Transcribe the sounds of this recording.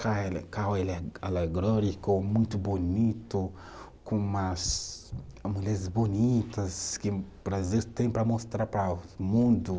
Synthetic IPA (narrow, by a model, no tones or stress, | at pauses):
kaɛlkawelɛa̰leɡɾɔɾikʊmũj̃t̪ʊbonit̪ʊ | kõumɐs | muʎɛɾɪzbonit̪ɐskɪbɾaziwst̪ẽj̃pɾɐmost̪ɾaɾpɾɐmũd̪ʊ